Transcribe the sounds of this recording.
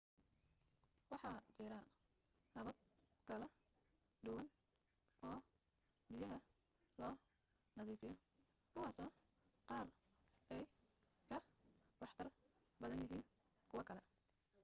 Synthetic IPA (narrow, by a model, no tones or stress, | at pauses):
wɑħɑːt͡ʃɪɾɐ | nɐβɐd̪̚kʰɐlɛ | d̪ʊwɐn | ʔɔː | bɪjɐɦɐ | lɔː | nɐðiːfɪjɔ | kʰʊwɑːsɔː | qɑːr | ɛj | kʰɐwɑħt̪ʰɐr | bɐðɐnjɪɦiːn | kʰʊwɐkʰɐlɛ